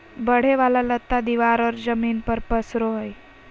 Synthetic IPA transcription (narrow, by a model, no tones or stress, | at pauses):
bəɽ̤eʋalalət̪ːad̪iʋaɾəɾd͡zəmiːnpəɾpəsɾoɦəj